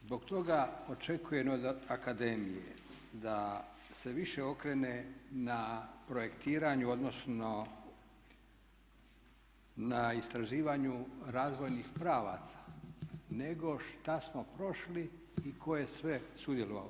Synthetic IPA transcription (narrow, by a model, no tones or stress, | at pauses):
zbo̞ɡt̪o̞ɡao̞t͡ʃe̞kujenod̪akad̪e̞mijḛ | d̪a | seʋiʃe̞o̞kɾe̞nenapɾo̞je̞kt̪iːɾaɲuo̞d̪nosno | naist̪ɾaʒiːʋaɲuɾaːzʋo̞jnixpɾaːʋa̰t̪sḁne̞ɡo̞ʃt̪asmo̞pɾo̞ʃliː | kʰo̞jesʋesud̪jelˠoʋa̰lo